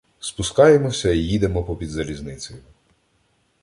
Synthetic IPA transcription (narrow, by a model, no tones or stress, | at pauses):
spʊskɑjemɔsʲɐijid̪emɔpɔpʲid̪zɐɾʲiznɪt͡s̪ʲɔjʊ